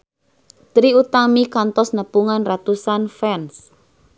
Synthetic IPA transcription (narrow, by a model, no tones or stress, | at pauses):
t̪ɾiut̪amikant̪ɔsnəpuŋanrat̪usanfɛns